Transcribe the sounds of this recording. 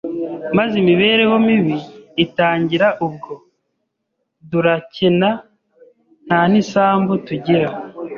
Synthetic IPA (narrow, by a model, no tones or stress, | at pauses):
mazeimiβe̞ːɾe̞jomiβiːtaːɲɟiɾaʔub̚ɡo̞ | duɾacena | n̥haːnisaːmbutuɟiɾa